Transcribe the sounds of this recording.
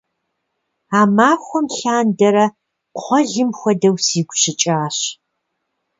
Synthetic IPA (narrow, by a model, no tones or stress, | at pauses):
aːmaːxʷɔmɬaːndɐɾɐ | qʷɔɮɨmxʷɔdɐwsiːɡʷɕɪt͡ʃʼaːɕ